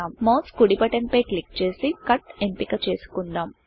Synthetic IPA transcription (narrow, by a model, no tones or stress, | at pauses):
aːmmɐwskuɽipɐʈɐnpɐjklik̚t͡ʃe̞ːsikɐʈempikɐt͡ʃe̞ːsu̥kuɳɖaːm